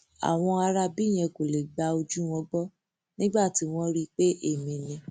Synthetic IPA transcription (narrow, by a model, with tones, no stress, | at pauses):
a̰˨w̃ɔ̃˧a˧ɾa˧bi˦˨j̃ɛ̃˧ko˨le˨ɡ͡ba˧o˧d͡ʒu˦wɔ̃˧˦ɡ͡bɔ˦ | nĩ˦ɡ͡ba˦˨ti˨˦w̃ɔ̃˦ɾi˦k͡pe˦ʔe˦˨mĩ˨˧nĩ˧